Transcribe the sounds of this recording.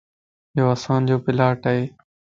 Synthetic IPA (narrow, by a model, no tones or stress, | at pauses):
jjoːəsãːnd͡ʑoːpɪlaːʈaɦeː